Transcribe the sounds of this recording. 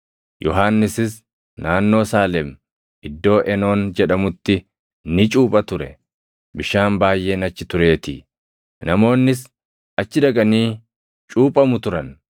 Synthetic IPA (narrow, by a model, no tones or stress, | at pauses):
jʔɔɦaːnːɪsɪs | naːnːo̞ːsaːlɛm | ɪd̪ːo̞ːʔɛno̞ːnd͡ʒɛᶑɐmʊt̪ːɪ | nɪt͡ʃʼuːpʼɐt̪ʊɾɛ | bɪʃaːmbaːjːʔe̞ːnɐt͡ʃːɪt̪ʊɾe̞ːt̪ɪ | nɐmo̞ːnːɪs | ɐt͡ʃːɪd̪ɐkʼɐniː | t͡ʃʼuːpʼɐmʊt̪ʊɾɐn